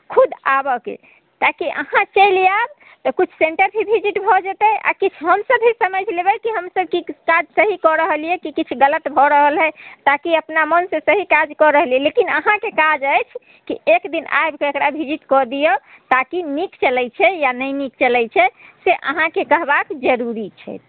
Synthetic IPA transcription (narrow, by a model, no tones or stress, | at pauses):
kʰud̪abɔkḛ | t̪akiʔə̰hãt͡ʃəjlijab̚ | t̪ɔkut͡ʃʰseɳʈəɾbʱibʱid͡ʒiʈbʱɔd͡ʒet̪ɛʔa̰kit͡ʃʰɦəmsəbɦisəməd͡ʒlebɛkiɦəmsəb̚kikad͡ʒsəɦikɔɾəɦəlijɛkikit͡ʃʰɡələt̪bʱɔɾəɦəlɦɛt̪akiəpnamənsẽsəɦikad͡ʒkɔɾəɦəlijɛlekinə̰ɦãkekad͡ʒəjt͡ʃʰ | kḭekd̪ina̰jbkeekɾabʱid͡ʒiʈkɔd̪ijo | t̪akinikt͡ʃəlɛjt͡ʃʰɛjanəjnikt͡ʃəlɛjt͡ʃʰɛseʔə̰ɦãkekəɦbakd͡ʒəɾuɾit͡ʃʰɛ̰t̪̚